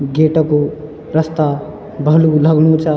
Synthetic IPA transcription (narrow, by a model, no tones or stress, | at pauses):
ɡeːʈəku | ɾəst̪a | bəluləɡnut͡ʃa